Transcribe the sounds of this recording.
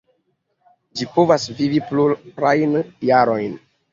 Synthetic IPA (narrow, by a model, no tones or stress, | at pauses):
d͡ʒipo̞vasvivipluɾajnjaɾo̞jn